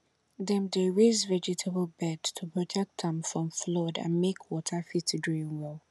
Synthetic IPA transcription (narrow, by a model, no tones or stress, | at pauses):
dɛ̃mdeɹezvɛd͡ʒɪtʰəbəlˠbɛdtʰupʰɹɔtʰɛk̚tɛ̃mfɹɔ̃mflɔdã̰nmekʰwɔtʰəfitdɹĩnwɛlˠ